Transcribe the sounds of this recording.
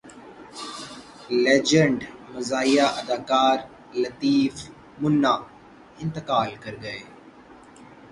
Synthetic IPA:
leːd͡ʒəɳɖmɐzaːijaʔɐd̪aːkaːɾ | lɐt̪iːf | mʊnːaː | ɪ̃nt̪ɪkaːlkɐɾɡɐeː

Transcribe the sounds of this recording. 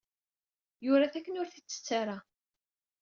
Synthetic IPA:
jʊɾaθækːənʊɾθit͡sːə̥t͡sːaɾˤa

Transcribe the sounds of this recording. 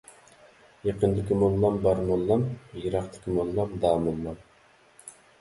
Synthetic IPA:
jɑqənd̪ɪkʲimolˠːɑmbɑɾmolˠːɑmjɨɾɑqt̪ɪ̥kʲimolˠːɑmd̪ɑːmolˠːɑm

